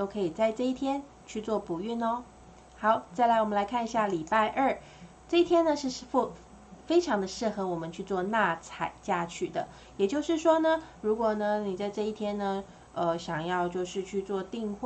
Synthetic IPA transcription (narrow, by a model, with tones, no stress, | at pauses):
t̪o˥ʊkʰɤ˧˥i˨˩t͡sa˥˧ɪʈ͡ʂɤ˥˧i˥˩t̪ʰjɛ˥n | t͡ɕʰy˥˧t͡swɔ˥˩pu˨˩y˥˩nɔ˧˦ | xɑ˨˧˩ʊt͡sa˥˩ɪla˧˥ɪwɔ˨˩mə˦nla˧˥ɪkʰa˥˩ni˧˩ɕja˥˩li˨˩pa˥˧ɪʔə˞˥˩ | ʈ͡ʂɤ˥˧i˥t̪ʰjɛ˥nːə˨ʂɻ̩˥˧ʂ̩˥˧f | fe˥ɪʈ͡ʂʰɑ˧˥ŋd̪ə˧ʂɻ̩˥˩xɤ˧˥wɔ˨˩mə˨˦nt͡ɕʰy˥˧t͡swɔ˥˧na˥˩t͡sʰa˨˩ɪt͡ɕja˥˧t͡ɕʰy˥˩d̪ə̰˩˦ | jɛ˨˩t͡ɕjo˥˧ʊʂɻ̩˥˩ʂwɔ˥nə˨ɻu˧˥kwɔ˨˩nə˧ni˨˩t͡sa˥˧ɪʈ͡ʂɤ˥˧i˥˩t̪ʰjɛ˥nnə˧ | ə˧ɕjɑ˨˩ŋjɑ˥˧ʊt͡ɕjo˥˧ʊʂɻ̩˥˧t͡ɕʰy˥˧t͡swɔ˥˧t̪i˥˧ŋxw